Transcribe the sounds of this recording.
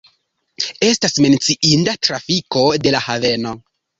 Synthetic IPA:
e̞stasme̞nt͡siʔindatɾafiko̞de̞lahave̞no̞

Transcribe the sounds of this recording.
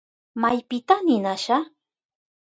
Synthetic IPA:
majpɪt̪anɪnaʃa

